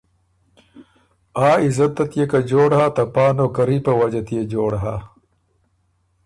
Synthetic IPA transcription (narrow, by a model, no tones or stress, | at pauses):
aːizɐt̪ːɐt̪jekɐd͡ʑoːɽhaːt̪ɐpaːnoːkɐɾiːpɐwɐd͡ʑɐt̪ijed͡ʑoːɽɦaː